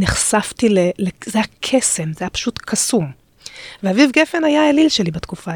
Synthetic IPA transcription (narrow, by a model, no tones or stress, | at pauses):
neχsaftilelezejakʰesemzeajapḁʃutkʰasum | veavivɡefe̞najaelilʃelibatkufa